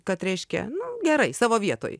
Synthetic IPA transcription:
kɐt̪ɾʲɛɪʃʲkʲɛ̰nʊɡʲɛɾɐɪsɑːʋoːʋʲiɛt̪o̰ːj

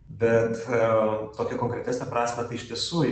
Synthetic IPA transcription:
bʲɛt̪ | t̪oːkʲɛkoːŋkɾʲɛt̪ʲæːsʲnʲɛpɾɑːsʲmʲɐt̪ɐɪɪʃʲt̪ʲiɛsuː

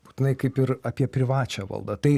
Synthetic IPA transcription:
bu̥ːt̪ʲɪnɐɪkɐɪpɪɾɐpʲiɛpʲɾʲɪʋɑːt͡ʃʲæːʋɐ̰lˠd̪ɐt̪ɐɪ

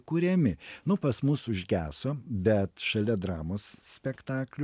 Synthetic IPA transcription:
kuːɾʲɛmʲɪnʊpɐsmʊsʊʒʲɡʲæːsoːbʲɛt̪ʃɐlʲɛd̪ɾɑːmoːssʲpʲɛkt̪ɑːklʲʊ

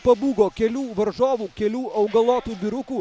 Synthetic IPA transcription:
pɐbuːɡoːkʲɛlʲuːʋɐɾʒoːʋuːkʲɛlʲuːʔɐʊɡɐlˠoːt̪uːbʲɪɾʊkuː

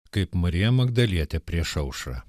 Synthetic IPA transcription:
kɐɪpmɐɾʲijɛmɐɡd̪ɐlʲiɛt̪ʲɛpʲɾʲiɛʃɐʊʃɐ̰ː

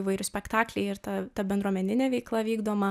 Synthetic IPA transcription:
iʋɐɪɾʲʊsʲpʲɛkt̪ɑːklʲɛɪɪɾt̪ɐt̪ɐbʲɛnd̪ɾuɔmʲɛnʲɪnʲɛːʋʲɛɪklˠɐʋʲiːɡd̪oːmɐ

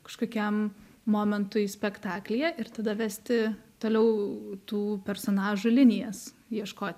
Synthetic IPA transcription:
kɐ̥ʃkoːkʲɛm | moːmʲɛnt̪ʊɪsʲpʲɛkt̪ɑːklʲɪjɛʔɪɾt̪ɐd̪ɐʋʲæːsʲt̪ʲɪt̪oːlʲɛʊt̪uːpʲɛɾsoːnɑːʒʊlʲɪnʲɪjɛs | jiɛʃkoːt̪ʲ

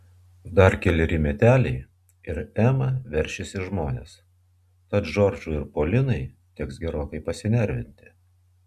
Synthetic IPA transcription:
d̪ɐɾkʲɛlʲɪɾʲɪmʲɛt̪ʲæːlʲɛɪ | ɪɾæːmɐʋʲɛɾʲˑʃʲɪsʲɪʒmoːnʲḛs | t̪ɐt̪ʒɔɾd͡ʒuːɪɾpoːlʲɪnɐɪ | t̪ʲɛksɡʲɛɾoːkɐɪpɐsʲɪnʲɛɾʲʋʲɪnʲt̪ʲɪ̥

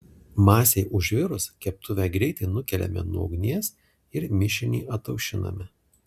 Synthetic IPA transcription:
mɑːsʲɛɪʔʊʒʲʋʲɪɾʊskʲɛp̚t̪ʰʊʋʲɛɡɾʲɛɪt̪ʲɛɪnʊkʲɛlʲɛ̰mʲɛ̰nuɔ̰ʊɡnʲiɛs | ɪɾmʲɪʃʲɪnʲḭːʔɐt̪ːɐʊʃʲɪnɐ̰mʲɛ

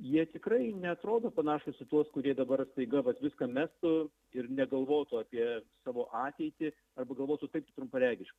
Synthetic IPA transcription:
jiɛt̪ʲɪkɾɐɪnʲɛɐt̪ɾoːd̪oːpɐnɑːʃoːsʲɪt̪uɔskʊɾʲiɛd̪ɐbɐrst̪ɐɪɡɐʋɐt̪ʋʲɪskɐmʲæːst̪ʊ | ɪrnʲɛɡɐlˠʋoːt̪ʊɑːpʲiɛsɑːʋoːʔɑːt̪ʲɛɪt̪ʲɪ | ɐrbɐɡɐlˠʋoːt̪ʊt̪ɐɪpt̪ɪt̪ɾʊmpɐlʲæːɡʲɪʃkɐ

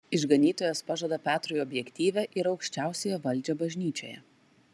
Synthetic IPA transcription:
ɪʒɡɐnʲiːt̪oːjɛspɑʒod̪ɐpʲæːt̪ɾʊjɔbʲjɛkʲt̪ʲiːʋʲɛʔɪɾɒʊkʃʲt͡ʃʲæˑʊsʲejɛʋɐlʲˑd͡ʒʲɛbɐʒʲnʲiːt͡ʃʲo̰ːjɛ̰

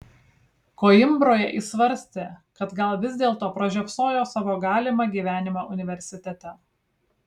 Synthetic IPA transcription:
koːɪmbɾoːjɛʔiːsʋɐɾʲsʲt̪ʲeːkɐt̪ɡɐlˠʋʲɪzʲd̪ʲeːlˠt̪oːpɾɐʒʲɛpsoːjoːsɑːʋoːɡɑːlʲɪmɑɡʲiːʋʲæːnʲɪmoʔʊnʲɪʋʲɛɾʲsʲɪt̪ʲɛt̪ʲɛ

